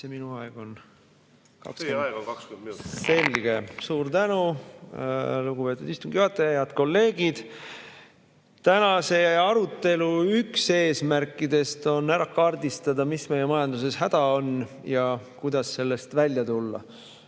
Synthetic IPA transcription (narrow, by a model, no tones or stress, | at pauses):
seminuɑeɡ̥o̞n | kɑ̰ksyɡokɑksk̪inse̞lʲɡ̥e̞suːɾt̪ænu | luɡupe̞ːt̪ːˑud̪̥ist̪uŋɡ̥jot̪ːˑejɑd̪̥ko̞lːe̞ːɡ̥id̪̥ | t̪ænɑse̞ɑɾut̪ːe̞luykse̞ːsmæɾkːˑid̪e̞st̪o̞næɾɑkɑrd̪ist̪ɑd̪ɑmisme̞jemɑjɑnd̪̥use̞shæd̪̥ɑo̞n | jɑkujd̪̥ɑsːe̞lːe̞st̪vælʲjɑt̪ulːɑ̰